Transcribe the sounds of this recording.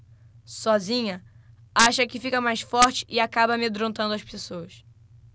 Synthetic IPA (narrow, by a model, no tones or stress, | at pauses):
sɔzĩɲɐ | aʃɐkɪfikɐmajsfɔɾt͡ʃɪ̥ʔɪakabɐmed̪ɾõt̪ɐ̃d̪ʊɐʃpesoɐs